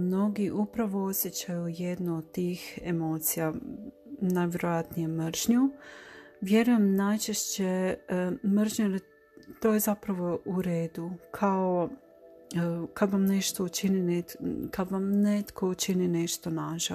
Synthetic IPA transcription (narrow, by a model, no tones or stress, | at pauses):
mno̞ɡiʔupɾaʋoosʲje̞t͡ɕajuje̞d̪nood̪̚t̪iːxemo̞t̪sija | najʋʲje̞ɾojat̪nijemɾ̩ʒɲu | ʋje̞ɾuje̞mnajt͡ʃeʃt͡ɕe | mr̩ʒɲeɾe | t̪o̞ːje̞zapɾaʋo̞ʔuɾe̞ːd̪ukʰao | kad̪ʋamne̞ʃt̪ot͡ʃininekad̪ʋamnet̪kʰot͡ʃinine̞ʃt̪o̞naʒa